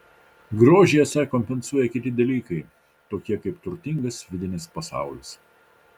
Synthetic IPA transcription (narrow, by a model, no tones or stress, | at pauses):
ɡɾoːʒʲɪjɛsʲɛkɔmʲpʲɛnsuɔjɛkʲɪt̪ʲɪd̪ʲɐlʲiːkɐɪ | t̪oːkʲiɛkɐɪpt̪ʊɾʲt̪ʲɪŋɡɐsʋʲɪd̪ʲɪnʲɪspɐsɑ̰ˑʊlʲɪs